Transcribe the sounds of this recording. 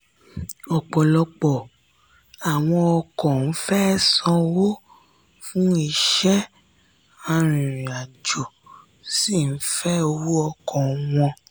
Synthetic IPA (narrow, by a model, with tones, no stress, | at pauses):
ɔ˨k͡pɔ˨lɔ˧k͡pɔ˨ | a˨w̃ɔ̃˧ɔ˧kɔ̃˨n̩˦fɛ˦sɔ̃˧wo˦ | fũ˦i˧ʃɛ˦ | a˧ɾ̃ĩ˨ɾ̃a˨d͡ʒo˨ | si˦˨n̩˦fɛ˦o˧wu˦ɔ˧kɔ̃˨˦w̃ɔ̃˧